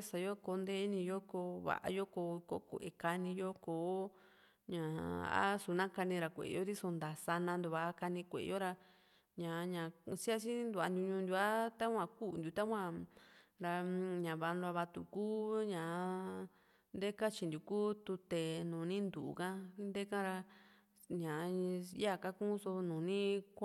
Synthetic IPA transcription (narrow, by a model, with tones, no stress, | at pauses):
sa˨jo˦ko˧˦nd̪e˦nĩ˧jo˦ko˧βa̰˨ʔa̰˧jo˦ko˧ko˧˦kʷḛ˨ʔe˨ka˧nĩ˧jo˦koː˨˦ | ɲã˨a̰˦su˨˦nã˦ka˧nĩ˧ɾa˨kʷḛ˨˧jo˦t̪i˦so˧nd̪a˨sa˧nã˧nd̪u˧βa˧ʔka˧nĩ˧kʷḛ˨˧jo˦ɾa˧ | ɲã˨ɲã˨si˦a˦t͡ʃi˦nd̪u˧˨a̰˧nd̪u˧ɲũ˧nd̪ʲu˧a˦t̪a˦kʷã˧ku˦˧nd̪u˨˧t̪a˦kʷã˧˨ɾa˧ɲã˨βa˧nlu˧a˧βa˧t̪ṵ˧˨kuː˦ɲã˨˦ | nd̪e˦ka˦t͡ʃi˧nd̪ʲu˨kuː˦t̪u˧t̪e˨nũː˨nĩ˦nd̪u˨ʔkã˦nd̪e˦kã˦ɾa˧ | ɲã˨˦ja˦˨ka˦kũ˦so˧nũː˨nĩ˦kʷ